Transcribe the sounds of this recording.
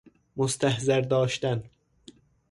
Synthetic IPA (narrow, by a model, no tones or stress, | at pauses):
most̪ʰæhzæɾd̪ɒːʃt̪æn